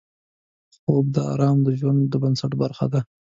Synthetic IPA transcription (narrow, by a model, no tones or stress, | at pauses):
xob̚d̪əɑ̰ɾɑmd̪əʒwand̪ːəbansaʈbaɾxa̰d̪a